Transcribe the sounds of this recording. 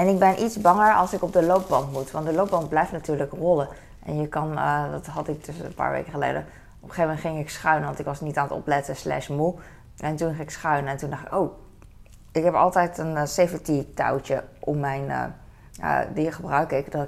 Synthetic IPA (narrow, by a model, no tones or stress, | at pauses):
ɛnɪɡ̚bɛnʔitzbɑŋəɹɑ̰lˠsɪkɔb̚dəlowp̚bɑntmutʋɑndəlowp̚bɑ̃nt̚blɛjftnatyːɹləkrɔlə | ʔɛ̰njəkɑnədɑtɦɑtɪk̚døsnpa̰ːɹʋḛjkəχəlḛjdə | ɔpə̥χejvmɛntχɪŋɪksχœɥnəʋɑntɪkʋɑsnitaːnətɔ̰plɛtəslɛ̰smu | ɛntunχɪŋɪksχœɥnəɛntundɑχtɪ̥̰kow | ɪkɦɛpɑ̰lˠtɛjtənsevəntita̰wt͡ʃəʔɔmːɛjnə̰ | ə̰diχəbrœɥkɪkdɔt